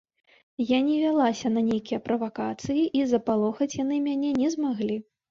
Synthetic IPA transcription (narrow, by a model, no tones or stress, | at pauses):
janʲɛvʲalˠasʲɐnɐnʲejkʲijɐpɾɐvakat̪sɨjiʔizɐpalˠɔxɐt͡sʲjanɨmʲanʲɛnʲɛzmaɣlʲi